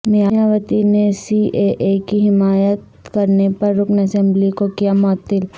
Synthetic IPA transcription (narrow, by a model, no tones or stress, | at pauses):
nɪjajaːʋət̪inesiːʔeʔekiɦɪmaːjət̪ | kɐɾnepɐɾːʊknɐsɛ̃mblikokijamɔːt̪ːɪl